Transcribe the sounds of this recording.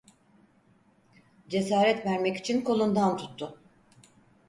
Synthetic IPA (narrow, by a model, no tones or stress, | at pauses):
d͡ʒe̞saːɾɛt̪væɾmɛci̥t͡ʃʰinko̞lˠund̪ant̪ʰu̥t̪ʰːʊ